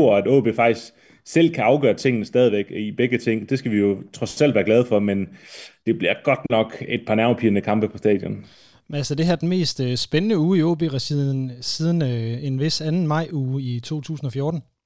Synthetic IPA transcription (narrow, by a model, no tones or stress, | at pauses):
ɐæd̥ɔ̰ːb̥e̝fɑ̈ɡ̥d̥isɡ̥ | sel̰kʰæɑ̈ʊɡ̥ɶːɐt͡sʰe̝ŋ̰nəsd̥ɛːð̞ˠiʋeɡ̥ib̥eɡ̥ət͡sʰe̝ŋ̰d̥e̝sɡ̥æʋijo̝t͡sʰʁɒ̽ssæl̰ʋæːɐɡ̥lɛːð̞̩ˠfɒ̽mend̥e̝b̥liɐɡ̥ɒ̽d̥nɒ̽ɡ̥e̝d̥̚pʰɑ̈næʊpʰiːɐnəkʰɑ̈mb̥əpʰɒ̽sd̥ɛ̰ːd̥jɔ̽n | ælsɐd̥e̝ɦæɐ̰d̥en̩me̝̰ːsd̥sb̥enənəuːioːb̥e̝̰ːʁɑsið̰ˠn̩sið̞ˠn̩enʋe̝sænn̩mɑ̈ɪ̰uːit͡sʰo̝̰ːt͡sʰṵːsn̩ɒ̽fjɔoːd̥n̩